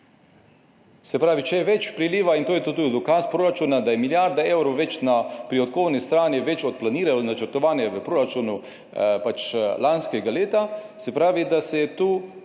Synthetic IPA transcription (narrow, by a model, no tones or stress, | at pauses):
sɛpɾaːʋit͡ʃɛjɛʋɛt͡ʃpɾiliːʋaint̪oːjɛt̪ot̪uid̪ɔkaːspɾoːɾat͡ʃuːnad̪ajɛmiljaɾd̪ɛɛwɾowʋɛt͡ʃnapɾiot̪̚koːwnist̪ɾaːniʋɛt͡ʃɔt̪̚planiːɾalonat͡ʃəɾt̪ɔʋaːnjɛʋəpɾoːɾat͡ʃuːnu | pat͡ʃlanskɛɡaleːt̪asɛpɾaːʋid̪asɛjɛt̪uː